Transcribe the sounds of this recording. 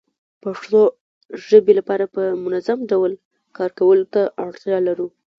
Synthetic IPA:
paʂt̪o | ʒəbelapɑɾapəmʊnazamɖawl | kɑɾkawəlot̪aʔaɽt̪jɑlaɾu

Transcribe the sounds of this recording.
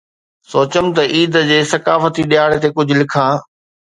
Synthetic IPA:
soːt͡ɕəmt̪ɐʔiːd̪d͡ʑeːsɐkaːfət̪iɗijaːɽet̪ekʊd͡ʑʱʊlɪkʰãː

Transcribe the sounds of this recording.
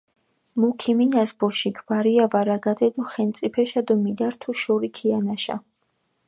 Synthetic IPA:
mukʰiminasbuɾʃiɡvaɾiavaɾaɡad̪ɛd̪ɔχɛnt̪sʼipʰɛʃad̪umid̪aɾt̪ʰuʃɔɾikʰianaʃa̰

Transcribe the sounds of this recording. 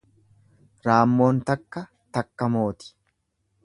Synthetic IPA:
ɾaːmːo̞ːnt̪ɐkːɐ | t̪ɐkːɐmo̞ːt̪ɪ̥

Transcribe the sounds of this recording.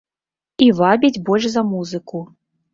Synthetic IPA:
ivabʲid͡zʲbɔlʲʂzɐmuzɨku

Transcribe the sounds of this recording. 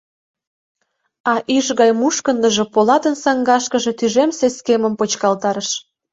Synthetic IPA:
ɑʔiʃɣɑjmuʃkənd̪ə̆ʒĕpolɑt̪ənsɑŋɡɑʃkəʒĕt̪yʒemseskemə̆mpot͡ɕkɑlt̪ɑɾəʃ

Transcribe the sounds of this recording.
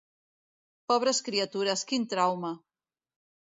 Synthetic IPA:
pɔβ̞ɾəskɾiat̪uɾəskint̪ɾawmə

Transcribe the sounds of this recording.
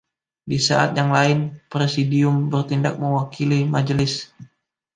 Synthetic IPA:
disa̰ʔa̰t̪̚jaŋlaɪnpɾesidiʊmbərt̪indak̚məwakʰilimad͡ʒəlɪs

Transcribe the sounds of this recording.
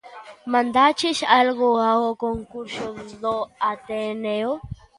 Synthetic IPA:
mãnd̪at͡ʃʰiʃalɣoaokoŋkuɾʃod̪oat̪eneo

